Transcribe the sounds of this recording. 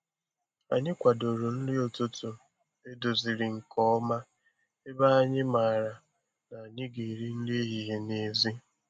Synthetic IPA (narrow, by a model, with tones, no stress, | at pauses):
a̰˨ɲɪ˦kʷa˨do˨ɾo˨n̩˦lɪ˦o˨to˦to˨ | e˦do˨zi˨ɾɪ˨ŋ̩˨kɔ˦ma˦ | e˦ba˦a˦ɲɪ˦ma˨ɾa˨ | na˨a˨ɲɪ˦ɡe˨ɾi˦n̩˦li˦ɦi˨ɦe˨ne˦˨zi˦